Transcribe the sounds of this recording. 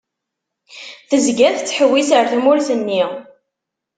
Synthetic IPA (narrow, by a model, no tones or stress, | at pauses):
θəzɡæθt͡sːħəwːisəɾθmʊɾθənːi